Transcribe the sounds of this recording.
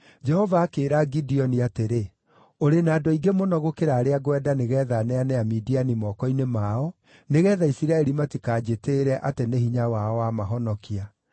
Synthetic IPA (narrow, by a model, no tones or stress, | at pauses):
d͡ʒɛhɔvaːkeːɾaɡidiɔniateɾe | oɾenaːdɔiɡemonɔɣokeɾaːɾeaɣwɛdaneɣɛːðanɛanɛamidianimɔkɔinemaɔ | neɣɛðaisiɾaɛɾimatikaːd͡ʑeteɾɛʔateneɦiɲawaɔwamaɦɔnɔkia